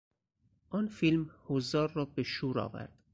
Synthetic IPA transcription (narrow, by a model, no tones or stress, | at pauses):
ʔɒːnfilmhozɒːɾːɒːbeʃuːɾɒ̰ːvæ̰ɾd̪̥